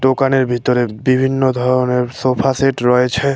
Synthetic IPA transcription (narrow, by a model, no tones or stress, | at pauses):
ɖokaneɾbʱit̪ɔɾebibʱinːod̪ʱɔɾɔneɾsopʰaseʈɾɔet͡ʃʰe